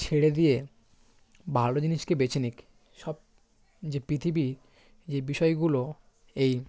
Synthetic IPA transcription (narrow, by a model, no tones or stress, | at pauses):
t͡ɕʰeɽed̪ije | bʱalod͡ʑiniʃkebet͡ɕʰinik | ʃɔb̚ | d͡ʑepɾit̪ʰibi | d͡ʑebiʃɔeɡulo | ej